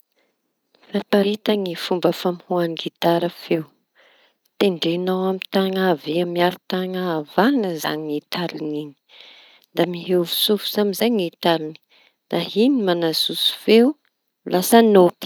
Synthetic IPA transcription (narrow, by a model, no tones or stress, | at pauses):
fapaɾit̪aŋifumbəfamhuaniɡit̪aɾəfew | t̪eɳɖ͡ʐenawamit̪aŋaveamiaɾit̪aŋaːvanəza̰ŋiit̪aɾiniɲi̥ | d̪amiɦewvusufu̥zamizaɲit̪aɾini̥ | d̪̥aɦinimanazusu̥few | lʔasanopi̥